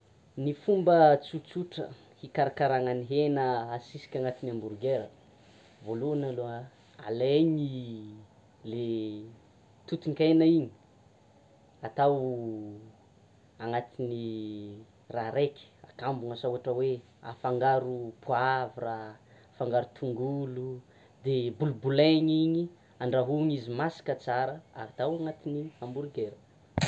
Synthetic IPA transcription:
nifumbət͡sut͡suʈ͡ʂə̰ | hikaɾakaɾaŋaniɦenəasisi̥kʲaŋat̪inambuɾɡeɾə | voluanalo | a̰leɲi | le | t̪ut̪iŋkenaiɲi̥ | at̪aw | aŋat̪ini | raɾekʲi̥a̰kambuŋasuaʈ͡ʂəwe | afaŋɡaɾupuaviraafaŋɡaɾut̪ʰuŋɡulu | d̪ebulubuleɲiɲi | aɳɖ͡ʐaɦuɲizimasi̥kət͡saɾəa̰t̪awaŋat̪iniambuɾuɡeɾə

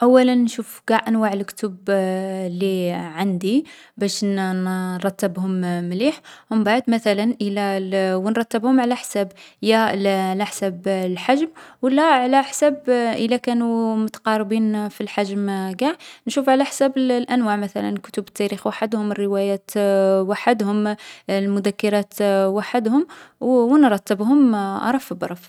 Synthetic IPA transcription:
ʔæwːælənːʃufɡ̥aʕʔænwaʕəlkt̪ʊb | lːiʕand̪i | bæʃnɾˤɑt̪ːəbhʊmmliħmʊmbaʕd̪mæθælænʔəlæwənɾˤɑt̪ːəbhʊmʕalæħsæbjælæħsæblħaʒmwəlːæʕalæħsæbʔəlːakæːnumʊt̪ḁqɑːɾˤbiːnfilħaʒmɡaħnʃuːfʕalaħsæːbɪllʔænwaːʕmaθæ̰la̰nkʊ̥t̪ʊbət̪ːæɾiːxwaħad̪hʊmərːɪwæjæːt̪waħad̪hʊmlmʊd̪ækːɑɾˤɑːt̪waħad̪hʊmwwnɾˤɑt̪ːɪbhʊmʔɑ̰ɾˤɑfibɑɾˤɑf

